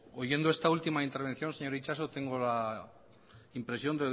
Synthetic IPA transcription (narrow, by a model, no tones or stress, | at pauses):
oʝe̞nd̪oest̪ault̪imaint̪eɾβ̞e̞nθjo̞nseɲo̞ɾit͡ʃasot̪e̞ŋɡola | impɾesjo̞nd̪e